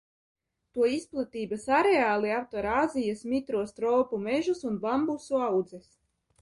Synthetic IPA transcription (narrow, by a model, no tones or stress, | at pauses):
t̪uɔisplˠat̪iːbasaɾeaːlˠiawt̪ɔɾaːzijasmit̪ɾuɔst̪ɾɔːpumɛʒusunbambusuawd̪zɛs